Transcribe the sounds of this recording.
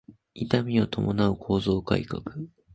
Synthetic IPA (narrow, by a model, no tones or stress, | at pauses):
it̪amʲio̞t̪ʰo̞mo̞naɯ̟kʰo̞ːzo̞ːka̰ikakɯ̟̥